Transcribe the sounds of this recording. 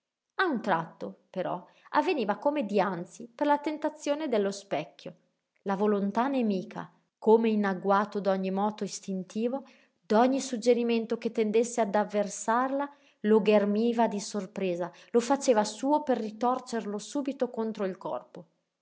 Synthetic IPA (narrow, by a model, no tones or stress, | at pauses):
aunt̪ɾat̪ːopeɾɔ̰ | avːeniːvakomed̪iant̪siperlat̪ent̪at̪sːjoːned̪elːospɛkʲːjo | lavolont̪anemiːkʰa̰ | komeinaɡwaːt̪od̪ɔɲːimɔːt̪oist̪int̪iːvo | d̪ɔɲːisud͡ʒːeɾiment̪oket̪ːend̪esːead̪avːersarla | loɡermiːvad̪isorpɾeːza | lofat͡ʃeːvasuːoperːit̪ɔrt͡ʃerlosuːbit̪okont̪ɾoilkɔ̰rpo